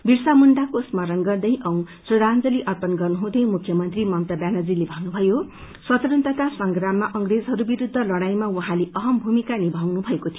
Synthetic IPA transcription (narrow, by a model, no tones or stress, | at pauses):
birsamund̪akosmʌɾʌnɡʌrd̪ʌj̃ʔʌw̃ | sʌd̪and͡zʌleʔʌrpʌnɡʌrnuɦũd̪ʌjmukʰjʌmʌnt̪rimʌmt̪ʌbjanʌd͡zilebʱʌnnubʱʌjo | swʌt̪ʌɾʌnt̪ʌt̪asʌŋɡramːaʔʌŋred͡zɦʌɾubiɾud̪ʱːʌlʌɽajmawuɦãleʌɦʌmbʱumikanibʱawnubʱʌekot̪ʰijo